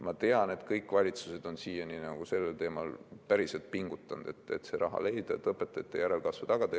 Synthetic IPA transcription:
mɑt̪e̞ɑne̞d̪kɤjkːˑvɑlʲit̪su̥se̞d̪̥o̞nsiːjɑninɑɡ̥use̞lːelt̪e̞ːmɑlpæɾiselt̪̚piŋɡ̥ut̪ːˑɑnd̪̥e̞t̪ːḛt̪se̞ɾɑɦɑ̰le̞jd̪̥ɑt̪ɤpːˑet̪ːˑɑet̪ːˑejæɾe̞lkɑsvɑt̪ɑɡ̥ɑt̪e

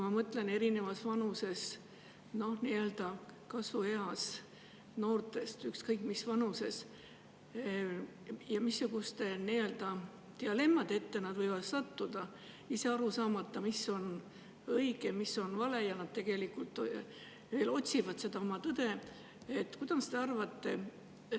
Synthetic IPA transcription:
kumɑmɤt̪lene̞ɾine̞vɑsvɑnuse̞s | no̞hniø̞ld̪̥ɑkɑsvue̞ɑs | no̞ːrt̪ˑe̞st̪ykskɤjkːˑmisvɑnuse̞s | jɑmisːuɡ̥ust̪e̞niø̞ld̪̥ɑ | t̪eɑle̞mːɑd̪et̪ːe̞nɑd̪vɤjvɑd̪̥sɑt̪ːud̪̥ɑ | ise̞ɑɾusɑːmɑt̪ːˑɑmisːo̞n | ɤiɡ̥e̞miso̞nvɑle̞jɑnɑd̪̥̚t̪e̞ɡ̥e̞likult̪ːˑ | ve̞ːlo̞t̪ʲsivɑd̪̥se̞d̪̥ɑo̞mɑt̪ɤd̪̥e̞ | et̪ːˑkud̪̥ɑst̪e̞ɑrvɑt̪ːe̞

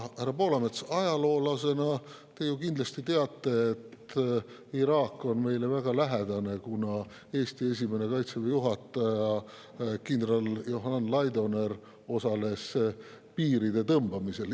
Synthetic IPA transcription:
hæɾɑpo̞ːlɑmet̪sɑjɑlo̞ːlɑse̞nɑ | t̪e̞jukind̪lɑst̪it̪eɑt̪ːe̞ːt̪ː | iɾɑːkːo̞nme̞jle̞væɡ̥ɑlæɦed̪ɑne̞kunɑ | e̞ːst̪ie̞s̬ʲime̞ne̞kɑjt̪sevejuɦɑt̪ːˑɑjɑ | kind̪ɾɑljoɦnɑnlɑjd̪o̞ne̞ɾ | o̞sɑle̞s | piːɾid̪e̞t̪ɤmbɑmise̞l

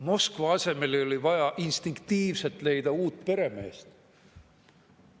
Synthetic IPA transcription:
mo̞skvɑɑse̞me̞lio̞livɑjɑʔinst̪iŋkt̪iːvse̞lt̪ˑle̞jd̪̥ɑuːt̪ːˑpe̞ɾe̞me̞ːst̪

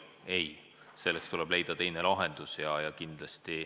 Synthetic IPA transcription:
e̞j | se̞lːekst̪ulɛb̥le̞jd̪̥ɑt̪e̞jne̞lɑɦe̞nd̪̥usjɑjɑkind̪̥lɑst̪i

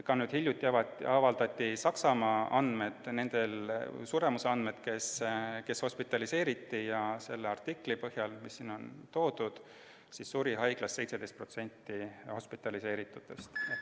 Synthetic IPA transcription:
kɑnyːd̪̥hilʲjut̪ʲːˑiɑvɑɑvɑld̪̥ɑt̪ʲːisɑksɑmɑːɑnd̪̥me̞d̪̥ne̞nd̪̥e̞lsuɾe̞museɑnd̪̥me̞d̪̥ke̞ske̞sho̞spit̪ːˑɑlise̞ːɾit̪ːijɑse̞lːeɑrt̪iklipɤhjɑlmisːiːno̞nt̪o̞ːd̪̥ud̪̥ | sisːuɾiɦɑjɡ̥lɑsːe̞jt̪sed̪̥e̞jst̪̚pro̞t̪se̞nʲt̪ːˑiho̞spit̪ːˑɑlise̞ːɾit̪ːˑut̪ːˑest̪e

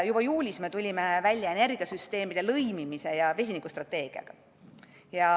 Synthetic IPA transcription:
jub̥ɑjuːlʲisme̞t̪ulʲime̞vælʲːjɑe̞ne̞rɡ̥iɑsyst̪e̞ːmid̪̥e̞lɤjmimise̞jɑve̞s̬ʲinikːust̪rɑt̪ːe̞ːɡ̥iɑ̰ɡ̥ɑ | jɑ

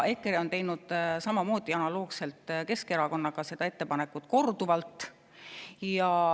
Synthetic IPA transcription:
e̞kːˑeɾio̞nt̪e̞jnud̪̥sɑmɑmo̞ːd̪̥iɑnɑloːɡse̞lt̪ke̞ske̞ɾɑko̞nːɑɡ̥ɑse̞d̪̥ɑe̞t̪ːe̞pɑne̞kːˑut̪ˑko̞rd̪uvɑlt̪ːˑ | jɑ

